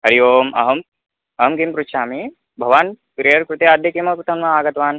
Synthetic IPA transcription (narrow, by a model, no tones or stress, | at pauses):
ɦɐɾijoːmʔɐ̰ɦɐm | ɐɦɐmkimpɾut̪ʃaːmi | bʱɐʋaːn | kɾijɐɾkɾut̪eaːd̪jɐkimɐpɾut̪ʰɐnʋɐaːɡɐt̪ʋaːn